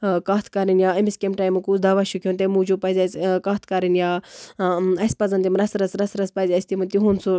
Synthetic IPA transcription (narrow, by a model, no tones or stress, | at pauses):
kaːt̪ʰkɐɾinjaːɐmiskʲemʈaːjmɨkusd̪ɐʋaʃukʰʲont̪emud͡ʒupɐzʲaskaːt̪ʰkɐɾinjaː | ɐsʲpɐzɐnt̪imɾɐsɾɐsɾɐsɾɐspɐzʲɐsʲt̪imɐnt̪iɦunsu